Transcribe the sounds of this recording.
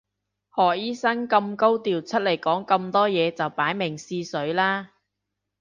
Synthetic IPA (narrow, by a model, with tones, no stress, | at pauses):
hɔː˨˩jiː˥sɐ˥ŋkɐ˧mko˥wt̪iː˨˩wt͡sʰɵ˥t̚le˨˩jkɔː˨˥ŋkɐ˧mt̪ɔː˥jɛː˨˧t͡sɐ˨wpaː˨˥jmɪ˨˩ŋsiː˧sɵ˨˥ɥlaː˥